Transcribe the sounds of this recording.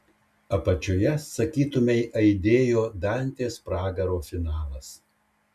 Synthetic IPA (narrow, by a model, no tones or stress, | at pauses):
ɐpɐt͡ʃʲoːjɛsɐkʲiːt̪ʊmʲɛɪʔɐɪd̪ʲeːjoːd̪ɑnʲt̪ʲeːspɾɑːɡɐɾoːfʲɪnɑːlˠɐs